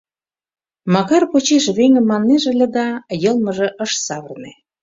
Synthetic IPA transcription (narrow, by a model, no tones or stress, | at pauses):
mɑkɑrpot͡ɕeʃβeŋə̆mːɑnːeʒĕlʲə̆d̪ɑjɤ̆lˠmə̆ʒĕʔə̆ʃsɑβərne